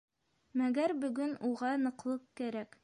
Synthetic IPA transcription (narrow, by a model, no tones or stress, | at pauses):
mæɡæɾbɵ̆ɡɵnuʁɑnɤ̆qlˠɤqkæɾæk